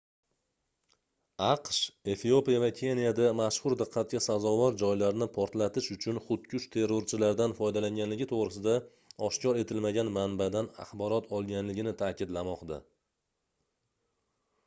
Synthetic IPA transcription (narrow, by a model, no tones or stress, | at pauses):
ɑqʃe̞fio̞pijavakʲʰe̞nijad̪amaʃhʊɾd̪ɨqʰːɑt̪̚ɡʲasazɒvɒɾd͡ʒɒjlaɾnɪpʰɒɾt̪lat̪ɪʃʊt͡ʃʰʊnχʊt̪̚kʲʰʊʃt͡ʃt̪ʰe̞ɾːoɾt͡ʃʰɪlaɾd̪anfɒjd̪alaŋɡʲanlɪɡʲɪt̪ʰoʁɾɪsɪd̪a | ɒʃkʲɒɾe̞t̪ʰɪlmaɡʲanmanbad̪ana̰χbɒɾɒt̪ʰɒlˠɡʲanlɪɡʲɪnɪt̪ʰaːkʲɪd̪lamɒqd̪a